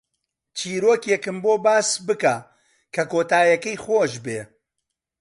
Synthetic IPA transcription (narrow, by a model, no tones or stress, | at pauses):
t͡ʃʰiːɾoːkjɛkɨmboːbaːsbɨka | kʰɐkoːt̪aːjɐkɐjxoːʃbe